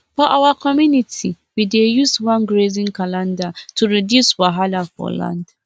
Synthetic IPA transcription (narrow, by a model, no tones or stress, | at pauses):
fɔʔawakɔmjunitʰi | widejuswãnɡɹezĩnkalãndatʰuɹidjuswaɦalafɔ̰lã̰nd̥